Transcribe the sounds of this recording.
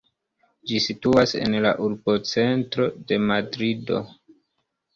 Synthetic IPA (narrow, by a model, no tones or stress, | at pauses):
d͡ʒisituase̞̰nla̰ʔuɾbot͡se̞ntɾo̞de̞madɾido̞̰